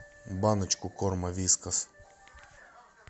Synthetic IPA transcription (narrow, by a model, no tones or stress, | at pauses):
banɐt͡ʃkʊkɔɾmɐʋʲiskɐs